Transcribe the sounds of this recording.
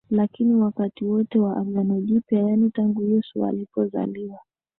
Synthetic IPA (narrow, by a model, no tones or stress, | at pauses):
lakiniwakatiwɔtɛwaʔaɡjanɔʄipjajanitaŋɡuhijɔsṵa̰lipɔza̰liwa